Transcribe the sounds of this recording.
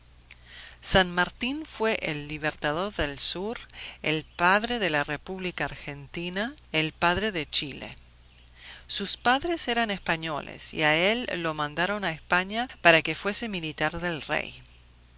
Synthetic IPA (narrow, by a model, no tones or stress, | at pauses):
sanmaɾt̪infwe̞ʔelːiβeɾt̪að̞o̞ɾðelsuɾḛlpaðɾeðelarepuβlikaːɾxent̪inaelpaðɾe̞ðet͡ʃilḛ | suspaðɾeseɾanespaɲo̞lḛsḭaelːo̞mãnd̪aɾo̞naespaɲapaɾake̞fwe̞semilit̪aɾðe̞lrḛj